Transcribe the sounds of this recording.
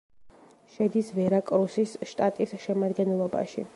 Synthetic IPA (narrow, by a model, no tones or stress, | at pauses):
ʃɛd̪isvɛɾakʼɾusisʃt̪ʼat̪ʼisʃɛmad̪ɡɛnɛlˠɔba̰ʃḭ